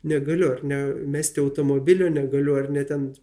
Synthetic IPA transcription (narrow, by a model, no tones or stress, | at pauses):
nʲɛɡɐlʲʊɐrnʲɛmʲæːsʲt̪ʲɪɐʊt̪oːmoːbʲɪlʲoːnʲɛɡɐlʲʊɐrnʲɛt̪ʲɛn